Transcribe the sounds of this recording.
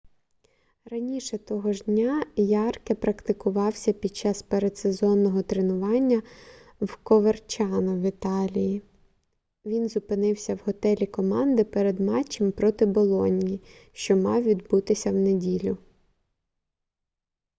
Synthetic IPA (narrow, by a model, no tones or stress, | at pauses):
ɾɐnʲiʃɛt̪ɔɦɔʒdʲnʲajɑrkɛpɾɐkt̪ɪkʊʋɑwsʲɐpʲid̪̚t͡ʃɑspeɾed̪sezɔnːɔɦɔt̪ɾenʊʋɑnʲːɐ | wkɔʋert͡ʃɑnɐʋʲit̪ɑlʲiji | ʋʲinzʊpɪnɪwsʲɐwɦɔt̪ɛlʲikɔmɑnd̪ɪpɛɾed̪mɑt͡ʃːimpɾɔt̪ɪbɔlˠɔnʲiiʃt͡ʃɔmɑ̰wʋʲid̪but̪ɪsʲɐwnedʲilʲʊ